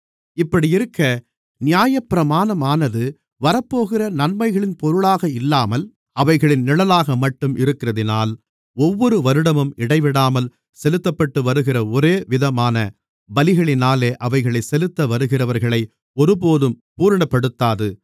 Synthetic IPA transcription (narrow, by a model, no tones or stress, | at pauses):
ɪpːɐɽiɪɾɯkːɐ | nɪjaːjɐpːɪɾɐmaːnɐmaːnɐðɯ | ʋɐɾɐpːoːɣɪrɐnɐnmɐɪɣɐɭɪnpɔɾɯɭaːɣɐɪlːaːmɐl | ɐʋɐɪɣɐɭɪnnɪɭɐlaːɣɐmɐʈːɯmʔɪɾɯkːɪrɐðɪna̰ːl | ɔʋːɔɾɯʋɐɾɯɽɐmɯmɪɽɐɪʋɪɽaːmɐl | sɛlɯt̪ːɐpːɐʈːɯʋɐɾɯɣɪrɐɔɾeːʋɪðɐmaːnɐ | bɐlɪɣɐɭɪnaːleːʔɐʋɐɪɣɐɭɐɪsɛlɯt̪ːɐʋɐɾɯɣɪrɐʋɐɾɣɐɭɐɪ | ɔɾɯp̬oːðɯm | puːɾɐɳɐpːɐɽɯt̪ːaːðɯ